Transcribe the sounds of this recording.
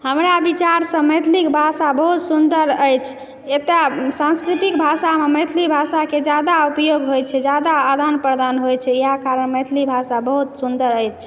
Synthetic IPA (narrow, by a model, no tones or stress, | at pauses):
həmɾabit͡ʃaɾsə̃məjt̪ʰlikbʱasabəɦut̪sund̪əɾəjt͡ʃʰ | et̪asãnskɾit̪ikbʱasameməjt̪ʰlibʱasaked͡ʒad̪aupjoɡɦojt͡ʃʰɛd͡ʒad̪aad̪anpɾəd̪anɦojt͡ʃʰɛiakaɾənmət̪ʰlibʱasabəɦut̪sund̪əɾəjt͡ʃt͡ʃʰɛ